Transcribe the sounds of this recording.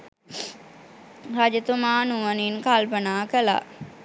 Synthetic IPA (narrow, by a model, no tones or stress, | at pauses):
had͡ʒət̪umaːnuʋəninkalpənaːkəla̰